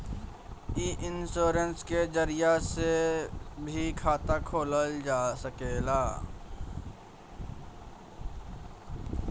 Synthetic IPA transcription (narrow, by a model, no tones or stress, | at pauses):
iʔɪnsoːɾənskezəɾɪjase | bʱikʰaːt̪akʰoːləld͡ʒaːsəkeːlaː